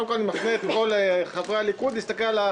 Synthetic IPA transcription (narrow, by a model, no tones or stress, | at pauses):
mkolnimafneet̪ko̞lχavʁalikud̪ist̪akella